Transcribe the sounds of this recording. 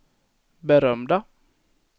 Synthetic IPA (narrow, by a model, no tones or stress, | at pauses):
bəɾœmd̪ɑ